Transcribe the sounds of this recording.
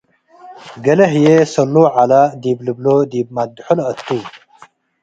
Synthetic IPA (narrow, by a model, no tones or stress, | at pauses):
ɡɐlɐɦjesɐlːoːʕalad̪ibləblod̪ib̚mad̪ħolət̪ːuː